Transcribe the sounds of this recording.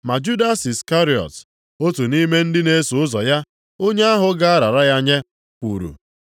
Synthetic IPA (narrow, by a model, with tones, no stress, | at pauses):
ma˨d͡ʒu˦da˦si˨ska˦ɾi˨ɔ̰˨t | o˦tu˨ni˦me˦n̩˦dɪ˦ne˦su˨ʊ˦zɔ˨ja˦ | o˦ɲe˦a˦ɦʊ˨ɡa˦a˦ɾa˨ɾa˦ja˦ɲe˦ | kʷu˨ɾṵ˨